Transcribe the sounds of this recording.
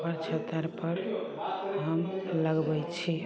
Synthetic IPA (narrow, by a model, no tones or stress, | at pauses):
pəɾt͡ʃʰət̪əɾpəɾ | ɦəmləɡbəjt͡ʃʰi